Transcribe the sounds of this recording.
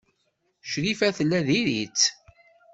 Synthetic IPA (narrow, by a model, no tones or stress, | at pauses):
ʃɾifæθəlːæðiɾit͡sː